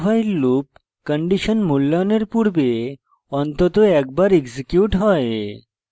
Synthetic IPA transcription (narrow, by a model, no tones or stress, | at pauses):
bʱajlːup̚ | kəɳɖiʃənmulːaneɾpuɾbe | ɔnt̪ot̪oɛk̚baɾeɡsikjuʈɦɔe